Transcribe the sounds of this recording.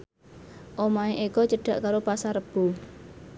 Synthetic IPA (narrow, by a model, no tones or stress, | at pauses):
ʔomaeʔekɔt͡ʃəɖ̥a̤ʔkaɾopasaɾəb̥ṳ